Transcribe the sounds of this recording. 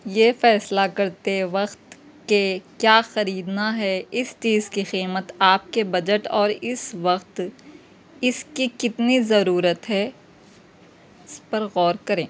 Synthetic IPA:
jeːfɛːslakɐɾt̪eʋɐqt̪ | kekjaːxɐɾiːd̪naɦɛɪst͡ʃiːzkiqiːmət̪aːp̚kebɐd͡ʒəʈɔːɾɪsʋɐqt̪ | ɪskikɪt̪nizɐɾuːɾət̪ɦɛ | ɪspɐɾɣɔːɾkɐɾẽː

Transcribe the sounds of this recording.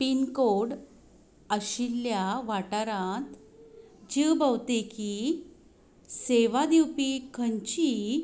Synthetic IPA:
pinkoɽ | əɕilːjaʋaʈaɾãt̪ | d͡ʑibəwt̪eki | seʋad̪iwpikʰəɲt͡ɕi

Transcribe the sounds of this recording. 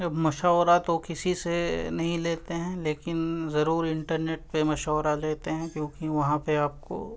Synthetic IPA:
d͡ʒɐbmɐʃaːwɾat̪okɪsisenɐɦĩleːt̪eɦɛ̃leːkɪnzɐɾuːɾɪ̃ɳʈəɾneːʈ̚pemɐʃaːwɾaleːt̪eɦɛ̃kjõːkiʋɐɦãpeaːp̚ko̰

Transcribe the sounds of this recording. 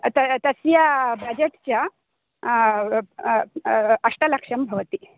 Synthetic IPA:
t̪ət̪əsjabəd͡ʑeʈt͡ɕja | əʂʈələkʂəmbʱəʋt̪i

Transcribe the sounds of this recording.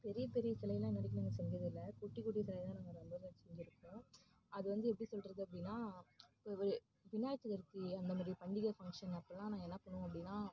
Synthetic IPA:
pɛɾɪjɐpɛɾɪjɐsɛlɐjɐlãːɛnːɐɾɪk̬ːnaːŋɡɐsɛɲd͡ʒɾɐðɪlːɐkʊʈːikuʈ̬ːisɛlɐjt̪ãːnaːŋɡɐnɐnbɐːɾssɛɲd͡ʒɪɾɯkːʊ̃ː | ɐðɯʋɐnd̪ɯɛp̬ːɐɽisɔlɾɐðɯɐp̬ːɐɽɪnːaːpːʋɐɾɯ | ʋɪnaːjɐt͡ʃ̪ːɯɣɐɾt̪ːiɐnd̪ɐmaːd̪ɾipɐɳɖɪɣɐfɐŋkʂɐnɐɐpːɾɐlãːnãːɛnːɐpːɐɳõɐpːɐɽɪnːaː

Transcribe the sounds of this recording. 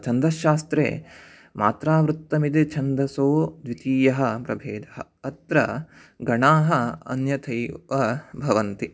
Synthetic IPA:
t͡ʃʰɐnd̪ɐʃaːst̪ɾḛː | mʔa̰ːt̪ɾaːʋɾut̪ːɐmid̪it͡ʃʰɐnd̪ɐsoːd̪ʋit̪iːjɐɦɐ̆pɾɐbʱeːd̪ɐɦɐ̰ | ɐt̪ɾɐ | ɡɐɳaːɦɐɐ̰njɐt̪ʰɐjʋɐbʱɐʋɐnt̪i

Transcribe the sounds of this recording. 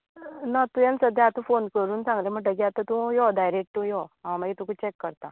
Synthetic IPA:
nat̪ujansəd̪ʱjaat̪ũfonkəɾuːnsãŋɡlaməɡʈəɡat̪at̪ũjɔdajɾek̚ʈũjɔɦãməɡɛt̪ũkut͡ɕɛkːəɾt̪a

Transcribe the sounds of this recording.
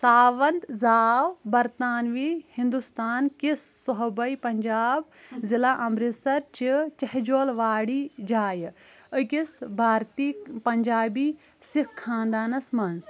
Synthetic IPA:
saːʋɐnd̪zaːwbɐɾt̪aːnʋiːhind̪ust̪aːnkisːɔɦbɐjpɐɲd͡ʒaːb | zilaːʔɐmbɾisɐɾt͡ʃit͡ʃɐɦd͡ʒoːlʋaːɽiːd͡ʒaːj | ɨkisbʱaːɾt̪iːpɐɲd͡ʒaːbiː | sikkʰːãːnd̪aːnɐsmɐns

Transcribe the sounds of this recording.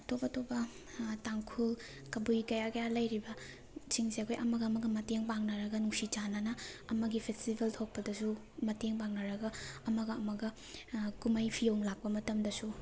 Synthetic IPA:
ɐtobɐtobɐ | taŋkʰul | kɐbujkɐjakɐjalɐjɾibɐ | t͡ʃiŋseɐkʰojʔɐmɐɡɐmɐɡɐmɐteŋpaŋnɐɾɐɡɐnuŋsit͡ʃananɐɐmɐɡipʰestibeltʰok̚pɐdɐsu | mɐteŋbaŋnɐɾɐɡɐɐmɐɡɐːmɐɡɐ | kumɐjpʰijowŋlak̚pɐmɐtɐmdɐsu

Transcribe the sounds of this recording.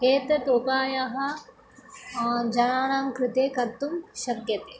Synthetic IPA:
ɦeːt̪ɐt̪oːkaːjaɦɐ | d͡ʒɐnaːɳaːmkɾɪt̪eːkɐɾt̪umʃɐɾkjɐt̪eː

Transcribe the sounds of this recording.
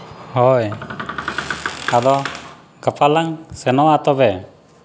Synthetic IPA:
hɔj | ad̪ɔ | ɡapʰalaŋsɛnɔwat̪ɔbɛ

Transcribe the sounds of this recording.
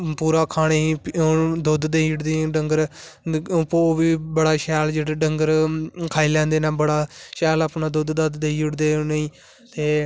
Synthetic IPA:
puːɾaːkʰaːɽ̃eːipd̪ʊd̪d̪eːiʊɽd̪eːɖəŋɡəɾ | poːʋiːbəɽaːʃɛːld͡ʒeːɽeɖəŋɡəɾkʰaːiːlɛ̃ːnd̪eːnaːbəɽaːʃɛːləpnaːd̪ʊd̪d̪ad̪d̪eːiːʊɽd̪eːneĩː | t̪eː

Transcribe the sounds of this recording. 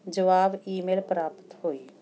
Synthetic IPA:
d͡ʒəʋaːbiːmeːlpɾaːpt̪ɦoːi

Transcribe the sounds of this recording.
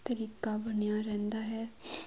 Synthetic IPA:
t̪əɾiːkabənjaɾɛ̃ːnd̪aːɦɛː

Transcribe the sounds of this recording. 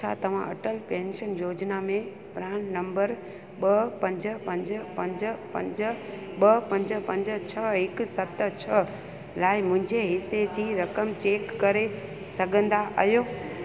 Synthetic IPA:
t͡ɕʰa̰ːt̪ɐʋ̤ãʔɐ̰ʈəlpẽːnʃənjoːd͡ʑnamẽ | pɾaːɽnɐ̃mbəɾ | ɓɐpɐ̃ɲd͡ʑpɐ̃ɲd͡ʑpɐ̃ɲd͡ʑə̆pɐ̰̃ɲd͡ʑə | ɓɐpɐ̃ɲd͡ʑə̆pɐ̃ɲd͡ʑə̆t͡ɕʰɐɦɪksɐt̪t͡ɕʰɐ | laːɪmʊ̃ɦɪ̃ɲd͡ʑeɦɪsed͡ʑiːɾɐkəmt͡ɕeːkːɐɾe | sɐɡʱə̃nd̪aʔə̰ɦjoː

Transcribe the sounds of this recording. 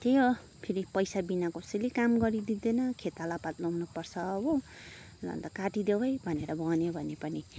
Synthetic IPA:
t̪ejo | pʰeɾipʌjsabinakosʌlikamɡʌɾid̪id̪enʌkʰet̪alapat̪lʌwnʌpʌrt͡sʰʌːbʌ | lʌ̰nt̪ʌkaʈid̪ewʌjbʱʌneɾʌbʱʌnjobʱʌnepʌni

